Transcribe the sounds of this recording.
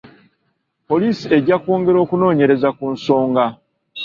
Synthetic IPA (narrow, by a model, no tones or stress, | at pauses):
po̞liːsie̞ɟakoːŋɡe̞ɾo̞ːkuno̞ːɲe̞ɾe̞zakunso̞ːŋɡa